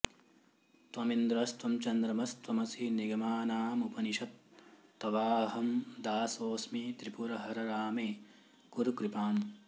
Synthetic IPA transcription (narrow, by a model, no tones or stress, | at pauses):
t̪ʋɐmind̪ɾɐst̪ʋɐmt͡ʃɐnd̪ɾɐmɐst̪ʋɐmɐsiniɡɐmaːnaːmupɐniʃɐt̪ːɐʋaːɦɐmd̪aːsoːsmit̪ɾipuɾɐɦɐɾɐɾaːmeː | kuɾukɾipaːm